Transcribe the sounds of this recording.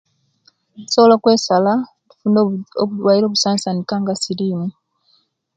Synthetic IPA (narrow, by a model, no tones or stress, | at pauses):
u̥solokwe̞ːsala | tu̥fuːndoouwaːjiɾo̞ːβusaːnsanikaŋɡasiɾiːmu